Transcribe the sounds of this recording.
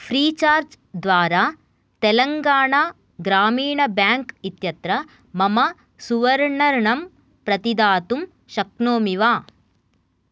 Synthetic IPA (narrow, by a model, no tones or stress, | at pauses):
pʰɾiːt͡ʃaːɾd͡ʒ | d̪ʋaːɾaː | t̪elɐŋɡaːɳa | ɡɾaːmiːɳɐbjaːŋkit̪jɐt̪ɾɐ | mɐmɐ | suʋɐɾɳɐɾɳɐm | pɾɐt̪id̪aːt̪um | ʃɐknoːmiʋaː